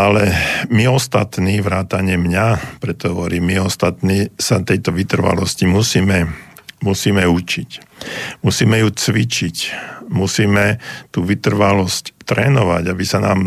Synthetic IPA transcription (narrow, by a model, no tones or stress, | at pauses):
alɛmiɔst̪at̪niːʋɾaːt̪aɲɪɛmɲapɾɛt̪ːɔɦɔʋɔɾiːmːiɔst̪at̪niːsat̪ɛjt̪ɔʋit̪r̩ʋa̰lɔscimusiːmɛmusiːmɛut͡ʃicmusiːmɛjut͡sʋit͡ʃicmusiːmɛt̪uːʋit̪r̩ʋalɔsct̪ɾɛːnɔʋa̰ɟabisana̰ːm